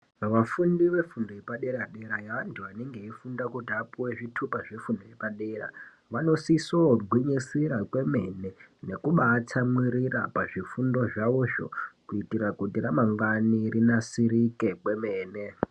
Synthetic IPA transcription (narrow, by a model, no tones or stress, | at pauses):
ʋafundiʋe̞fundojepaɗe̞ɾaɗeɾajaːntʰuaneŋɡe̞ifundakutiapuweʐitʰupaʐefundojepaɗe̞ra̰ | ʋano̞sisoɡʱwiɲisiɾakwe̞me̞nene̞kuɓatʰamwiɾira̰paʐifundo̞ʐauʃo̰kuitiɾakutiramaŋɡanirinasiɾike̞kwe̞meːne̞